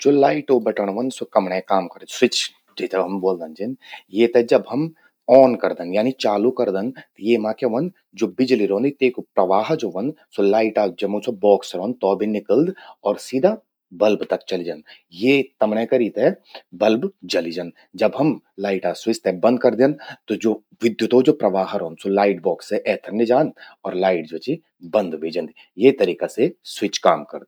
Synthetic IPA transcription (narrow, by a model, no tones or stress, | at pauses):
d͡ʒoːlaːɪʈobɐʈəɽ̃ʋɐ̃nsokɐmɽẽkaːmkɐɾd̪swɪt͡ʃ | d͡ʒed͡ʒ̪əbɦɐmboːld̪ə̃nd͡ʒinjet̪ed͡ʒɐbɦɐm | ɔːnkɐɾd̪ə̃njaːnit͡ʃaːlukɐɾd̪ə̃nt̪jemãːkeʋɐn | d͡ʒoːbɪd͡ʒliɾõːnd̪it̪eːkpɾɐʋaːɦd͡ʒoːʋɐnd̪solaːɪʈad͡ʒɐmosobɔːksɾɔːnd̪t̪ɔːbʱinɪkəld̪ɔːɾsiːd̪ʱa | bɐlbt̪ɐkt͡ʃɐlid͡ʒan | jeːt̪ɐmnẽkɐɾiːt̪ɛbɐlbd͡ʒɐlid͡ʒən | d͡ʒɐbɦɐm | laːɪʈaswɪst̪ɛbɐ̃nd̪̚kɐɾd̪ẽnt̪od͡ʒoː | ʋɪd̪jʊt̪ɦod͡ʒoːpɾɐʋaːɦɾoːnd̪solaːɪʈbɔːkseʔɛːt̪ʰəɾnid͡ʒaːnɔːɾlaːɪʈd͡ʒot͡ʃi | bɐ̃nd̪ʋeːd͡ʒə̃nd̪i | jet̪ɐɾiːkaseswɪt͡ʃkaːmkɐɾd̪